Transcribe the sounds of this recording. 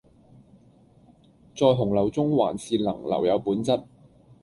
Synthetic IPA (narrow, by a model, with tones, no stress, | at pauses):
t͡sɔː˧jɦʊ˨˩ŋlɐ˨˩wt͡sʊ˥ŋwa̰ː˨˩nsiː˧tlɐ̰˨˩ŋlɐ̰˨˩wjɐ˨˧wpuː˨˥nt͡sɐ˥t̚